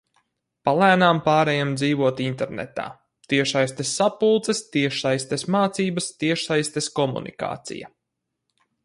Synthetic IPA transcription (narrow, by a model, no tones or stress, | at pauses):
palˠæːnaːmpaːɾɛjamd̪ziːvuɔt̪int̪ɛɾnɛ̰t̪a̰ː | t̪iɛʃajst̪esʲːapulˠt̪sɛst̪iɛʃsajst̪esmaːt̪siːbɐst̪iɛʃsajst̪eskɔmṵnḭka̰ːt̪sḭjɐ̰